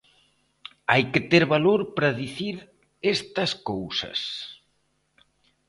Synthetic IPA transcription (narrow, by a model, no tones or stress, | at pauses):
ajkɪt̪eɾβaloɾpɾɐðiθiɾ | est̪ɐskowsɐ̰s